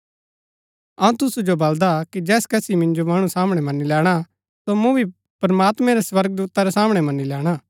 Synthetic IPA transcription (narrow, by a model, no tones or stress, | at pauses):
ɐũt̪ʊsud͡ʒobɐld̪akid͡ʒɛːskɛsimɪ̃nd͡ʒomɐɽ̃ũsaːmɽ̃ɛmɐnːilɛːɽ̃a | somũbʱi | pɾmaːt̪mɛ̃ɾɛswɐɾɡəd̪uːt̪aɾɛsaːmɽ̃ɛmɐnːilɛːɽ̃aː